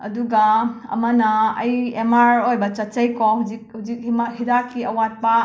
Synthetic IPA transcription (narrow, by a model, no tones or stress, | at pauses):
ɐduɡɐɐ̰mɐnɐɐ̰jemaɾojbɐt͡ʃɐt̚t͡ʃɐjkɔɦuzik̚huzik̚himahidakːiɐwat̚pa